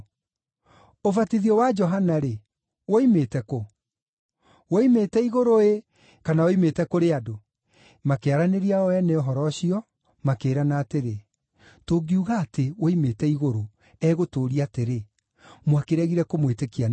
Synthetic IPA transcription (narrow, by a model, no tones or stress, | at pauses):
ovatiðiɔwad͡ʒɔɦanaɾe | woimetɛko | woimetɛiɣoɾoe | kanaoimetɛkoɾeado | makeaɾaneɾiaɔɛnɛɔɦɔɾɔɕiɔ | makeːɾanaːteɾe | toɡiuɣaːtewoimetɛiɣoɾo | ɛɣotoːɾiateɾe | mwakeɾɛɣiɾɛkomwetekia